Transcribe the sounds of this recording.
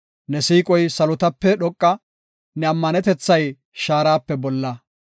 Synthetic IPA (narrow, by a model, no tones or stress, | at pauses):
nɛsiːkʼɔjsɐlʊt̪ɐpːɛɗɔkʼːɐ | nɛɐmːɐnɛt̪ɛt͡sːɐj | ʃaːɾaːpːɛbɔlːɐ